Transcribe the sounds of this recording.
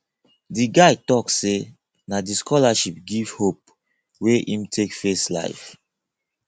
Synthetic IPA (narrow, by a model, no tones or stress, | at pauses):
diɡaɪtɔksse | nadiskɔlaʃip̚ɡiv̥hop̚ | weʔĩmtʰekfesla̰ɪf